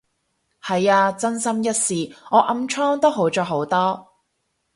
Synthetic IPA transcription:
hɐ˨jaː˧t͡sɐ˥nsɐ˥mjɐ˥t̚siː˨ŋɔː˨˧ʔɐ˧mt͡ʃʰɔː˥ŋt̪o˥wɦo˨˥wt͡sɔː˨˧ɦo˨˥wt̪ɔː˥

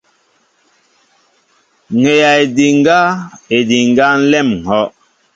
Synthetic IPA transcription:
ŋe˨ja˨e˨di˨ŋ˦ɡa˦e˨di˨ŋ˦ɡa˦n̩˦lɛ˦˨m̩˨ɔ˦ʔ

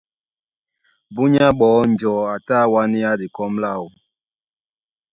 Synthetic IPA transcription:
bu˦ɲa˦ɓɔː˨˦n˨d͡ʒɔ˨a˨ta˦˨wa˦ni˦ja˦di˨kɔ˦mla˦˨u˨

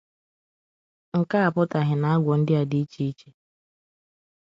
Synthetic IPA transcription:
ŋ̩˨ka˦a˨pʊ˦ta˨ɦɪ˨na˨˦a˦ɡʷɔ˨n̩˦dɪ˦a˨dɪ˦i˦t͡ʃi˦i˦t͡ʃe̥˦

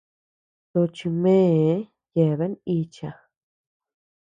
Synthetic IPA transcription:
t̪o˧t͡ʃi˧mẽ˦˧˦ | je˨βe˦ni˧t͡ʃa˧

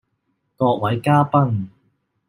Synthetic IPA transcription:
kɔː˧k̚wɐ˨˥jkaː˥pɐ˥ŋ

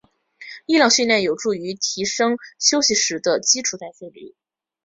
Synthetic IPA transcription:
i˥˧ljɑ˥˩ŋɕy˥˧nljɛ˥˩njo˨˩ʊʈ͡ʂu˥˩y˧˥t̪ʰi˧˥ʂɤ˥ŋɕjo˥ʊɕi˨ʂɻ̩˧˥d̪ə˧t͡ɕi˥ʈ͡ʂʰu˨˩t̪a˥˧ɪfe˥˧ɪlḭ˨˩˦

